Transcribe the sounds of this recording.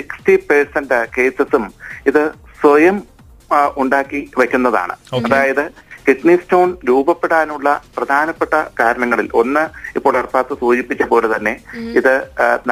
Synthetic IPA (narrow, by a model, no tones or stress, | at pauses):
siksʈipersɐndɨke̞ːsɐsumiðɨ | sʋɐjɐm | uɳɖaːkːiʋɐkʲːunːɐða̰ːɳɨ̰ɐðaːjɐðɨkiʈnistoːnɾuːbɐpːe̞ɽaːnuɭːɐprɐd̪ʱaːnɐpːeʈːɐkaːɾɐɳɐŋːɐɭilʔo̞̰nːɨipːo̞ːɭɐrpaːt̪ːɨsuːd͡ʑipːit͡ɕːɐpo̞ːlet̪ɐnːe̞iðɨn